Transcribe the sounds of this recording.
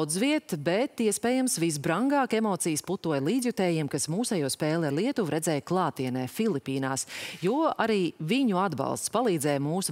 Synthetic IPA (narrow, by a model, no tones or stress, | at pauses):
wd̪zviɛt̪bɛt̪iɛspɛːjamsvis̬bɾaŋɡɑːkɛmɔːt̪sijsput̪uɔjlˠiːzʲjut̪ɛːjiɛmkasmuːsajuɔspɛːlˠaɾlˠiɛt̪uʋɾɛdzɛːjklˠɑːt̪iɛnɛːfilˠipiːna̰ːsjuaɾiːviɲuad̪bɑ̰lˠst̪spalˠiːd̪zɛːjmuːs